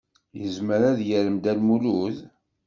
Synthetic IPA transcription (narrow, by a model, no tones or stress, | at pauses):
jəzməɾæðjəɾəmd̪ælmuluð